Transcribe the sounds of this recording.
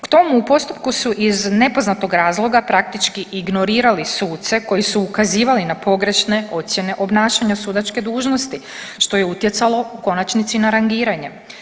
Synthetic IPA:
kt̪o̞muːpo̞st̪up̚kusuʔizne̞po̞znat̪o̞ɡɾaːzlˠo̞ɡapɾak̚t̪it͡ʃkiiɡno̞ɾiːɾalisuːt̪se̞ko̞jisuːkaziːʋalinapo̞ɡɾe̞ʃne̞o̞t̪sje̞ne̞ʔo̞bnaːʃaɲasuːd̪at͡ʃke̞d̪uːʒno̞st̪i | ʃt̪o̞je̞ut̪je̞t̪salo̞uko̞nat͡ʃnit̪sinaɾaŋɡiːɾaɲe̞

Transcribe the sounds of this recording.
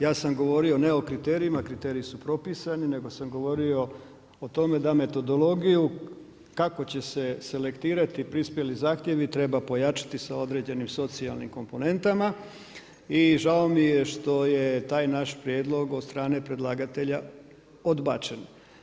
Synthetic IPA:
jaːsamɡo̞ʋo̞ɾio̞ne̞o̞kɾit̪eːɾiimakɾit̪eːɾiisupɾo̞pisanine̞ɡo̞samɡo̞ʋo̞ɾio̞ | ot̪o̞me̞d̪ame̞t̪o̞d̪o̞lˠo̞ɡiju | kako̞t͡ɕe̞se̞se̞le̞kt̪iːɾat̪ipɾispje̞lizaːxt̪je̞ʋit̪ɾe̞bapo̞jat͡ʃḁt̪isao̞d̪ɾe̞ːd͡ʑe̞nimso̞t̪sialˠnḭmko̞mpo̞ne̞nt̪ama | iʒao̞mijeʃt̪o̞je̞t̪aːjnaʃpɾjed̪lˠo̞ɡod̪st̪ɾaːne̞pɾe̞d̪lˠaːɡat̪e̞ʎa | o̞d̪baːt͡ʃe̞n

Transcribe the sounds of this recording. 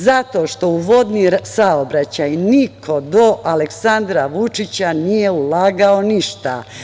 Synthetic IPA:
zat̪o̞ʃt̪o̞uʋo̞d̪nisaobɾat͡ɕajnikʰo̞d̪o̞ʔaleksand̪ɾaʋut͡ʂit͡ɕanijeulaːɡao̞niʃt̪a̰

